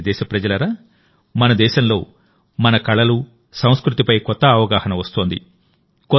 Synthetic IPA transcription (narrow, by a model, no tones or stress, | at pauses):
d̪ɛːʃɐpɾɐd͡ʒɐlɐɾaː | mɐnɐd̪ɛːʃɐmlo̞ː | mɐnɐkɐɭɐlu | sɐ̃w̃skɾut̪ipɐjkɔt̪ːɐːʋɐɡaːhɐnɐʋɐst̪oːnd̪ḭ | kɔ